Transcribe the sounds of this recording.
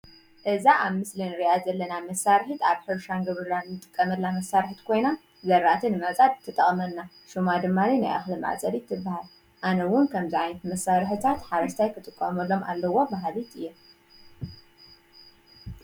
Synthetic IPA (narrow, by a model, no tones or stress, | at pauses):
ʔɨzaʔaβmɨslinɨɾijazɐlːɐnamɐsːaɾħit̪aβħɨɾʃanɡɨβɾɨlanːɨt̪ʼɨ̥kʼːɐmɐlːamɐsːaɾħit̪kʰo̞jna | zɐɾaʔt̪ʰinɨmɐt͡sʼad̪t̪ʰːɨt̪ʼːɐχʼmɐnːa | ʃumad̪ɨmːanina̰jʔa̰xlɨmʕa̰t͡sʼɐɾit̪ʰːɨbːahal | ʔanɐwʊnkʰɐmziʕajnɐt̪mɐsːaɾħɨt̪ʰat̪ħaɾɐʃt̪ʰajkʰɨt̪ʼɨkʼːɐ̰mɐlːo̞mʔa̰lːɐwo̞baɦlit̪ɨjːe